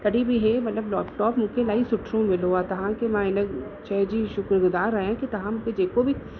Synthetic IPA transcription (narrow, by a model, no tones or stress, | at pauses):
t̪ɐɽibʱiɦɛmɐt̪ləblɔːpʈɔːpmʊ̃kelaːisʊʈʰɾõmɪloat̪ɐɦãkemãɪnəɡt͡ʃɛɦd͡ʒiʃʊkɾɡʊd̪aːɾaːãkit̪ɐɦãmʊ̃ked͡ʒeːkobʱi